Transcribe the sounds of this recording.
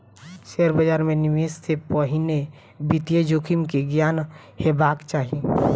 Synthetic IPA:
ʃeɾbəd͡ʒaːɾmẽnɪmest̪ʰepəɦine | bit̪jed͡ʒokʰimkeɡjaːn | hebakt͡ʃaːɦi

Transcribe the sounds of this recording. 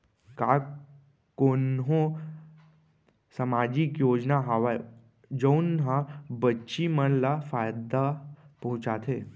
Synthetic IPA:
ka | konɦõ | səmad͡ʑikjoːd͡ʒnaɦaʋae | d͡ʒəwnɦãbətːʃimənlafajd̪apəɦũt͡ʃat̪ʰe

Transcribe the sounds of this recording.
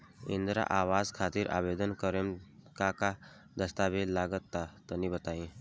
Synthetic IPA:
ḭnd̪ɾa̰ʔaʋazkʰat̪iːɾʔa̰bed̪ənkəɾemkaka | d̪əst̪abelaɡət̪ːat̪ənibət̪aĩ

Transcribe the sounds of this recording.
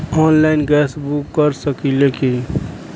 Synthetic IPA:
ɔːnlaɪnɡɛːsbukːəɾsəkileki

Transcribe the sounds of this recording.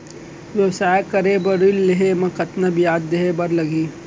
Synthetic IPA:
ʋjɐwsaːjekɐɾebɐɾilːeɦemɐ̃kɐt̪nabʱijaːd̪ːeɦebɐɾlɐɡiː

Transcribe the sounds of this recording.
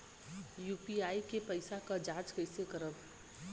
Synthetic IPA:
juːpiaːikepəɪsakad͡ʒaːd͡ʒkəɪsekəɾəb

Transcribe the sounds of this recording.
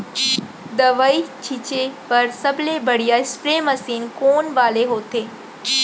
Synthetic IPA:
d̪ɐʋaːit͡ʃʰit͡ʃepɐɾsɐblebɐɽ̤ijaɪspɾeːmɐsiːnkoːnʋaːleɦoːt̪eː

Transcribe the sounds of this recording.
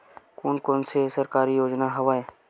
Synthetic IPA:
koːnkõːnsesɐɾkaːɾijoːd͡ʒnaɦɐʋaːe

